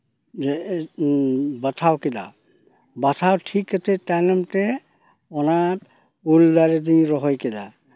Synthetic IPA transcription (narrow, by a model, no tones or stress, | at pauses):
batʰawkɛda̰ | batʰawtʰikːatʰɛtanɔmtɛ | ɔna | uldaɾɛdĩjɾɔɦɔjkɛda̰